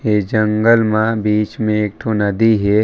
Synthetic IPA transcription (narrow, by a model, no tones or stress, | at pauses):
eːd͡ʒə̃ŋɡəlmãbiːt͡ʃmẽeːk̚ʈ̪ʰonɐd̪iɦɛː